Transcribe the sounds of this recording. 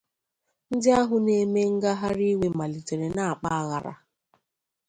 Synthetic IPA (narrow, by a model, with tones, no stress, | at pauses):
n̩˦dɪ˦a˦ɦʊ˨ne˨me˦ŋ̩˦ɡa˦ɦa˦ɾi˦we˨ma˨li˨te˨ɾe˨na˦˨a˨k͡pa˦a˨ɣa̰˨ɾa̰˨